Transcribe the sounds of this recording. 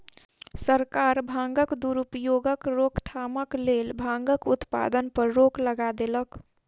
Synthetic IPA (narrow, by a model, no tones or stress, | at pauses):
səɾkaɾbʱãŋɡəkd̪uɾupjoɡəkɾokt̪ʰaməklelbʱãŋɡəkut̪pa̰d̪ənpəɾːokləɡad̪elək